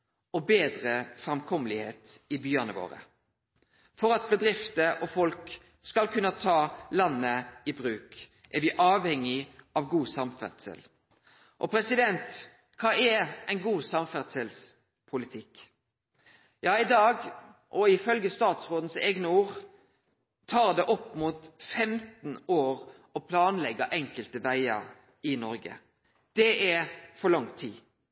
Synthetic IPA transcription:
ɔbeːd̪ɾəfɾɛmkʰɔmːəlɪheːt̪ɪbyːɑnəʋo̰ːɾə̰ | fɔɾɑt̪̚bəd̪ɾɪft̪əʔɔfɔlk | skɑlkʰʉnət̪ʰɑːlɑnːəɪbɾʉːk | ʔæɾʋɪʔɑːʋhɛŋːɪʔɑʋɡuːsɑmfæ̰ʁd̪sɛ̰l | ʔɔpʰɾɛsɪd̪ɛnt̪ | kʰɑːɛæɪnɡuːsɑmfæʁd̪sɛls | pʰʊlɪt̪ʰɪk | jɑːɪd̪ɑːɡʔɔɪfœlɡəst̪ɑːt̪sʁoːd̪n̩sɛːɡnəuːʁ | t̪ʰɑːʁd̪ɛʔɔpːmut̪fɛmt̪n̩oːɾ | ɔpʰlɑːnlɛɡəʔɛŋkəlt̪əʋæɪə̰ɾ | ɪnɔɾɡə̰ | d̪̥ɛɛfɔlɑŋt̪ʰḭː

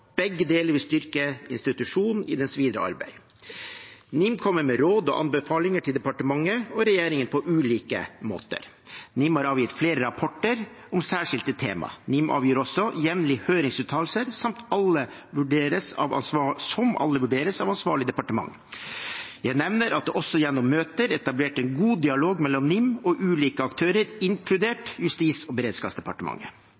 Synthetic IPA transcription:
b̥ɛɡːəd̪eːləɾʋɪst̪ʏɾkəɪ̰nst̪ɪt̪ʉʂuːn̩ɪd̪ɛnsʋiːd̪ɾəʔɑ̰ɾbæ̰ɪ | nɪmkʰɔmːəɾmɛɾoːd̪ɔ̰ʔɑ̰nbəfɑːlɪŋəʈʰɪld̪ɛpɑʈəmɑŋːəɔɾɛjeːɾɪŋənpʰɔʔʉːliːkə̰mo̰ːt̪ə̰ɾ | nɪmhɑɾɑːʋjɪt̪fleːɾəɾɑpʰɔʈːəɾ | ɔmsæːʂɪlt̪ət̪ʰeːmɑ̰nɪmʔɑ̰ːʋjiːɾɔsːɔjɛʋnlɪhøːɾɪŋsʉːt̪ʰːɑːl̩səɾsɑmt̪ɑlːə | ʋʉɖeːɾəsɑ̰ʋɑ̰nssɔmɑ̰lːəʋʉɖeːɾəsɑʋɑnsʋɑːɭɪd̪ɛpɑʈəmɑ̰ŋː | jæɪnɛʋnəɾɑt̪̚d̪ɛʔɔsːɔjɛnːɔmːøːt̪əɾɛt̪ɑbleːʈɛnɡuːd̪ɪɑloːɡmɛlːɔnnɪmːɔʔʉːliːkəɑkt̪ʰøːɾəɾɪŋkʰlʉd̪eːʈjʉst̪iːsɔbəɾeːd̪skɑːpsd̪ɛpɑʈəmɑ̰ŋːə

